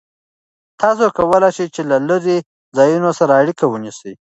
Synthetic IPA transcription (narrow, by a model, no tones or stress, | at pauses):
t̪ɑs̬okawəlajʃejt͡ʃelalaɾe | zɑjunosaɾaːɽikawənisəj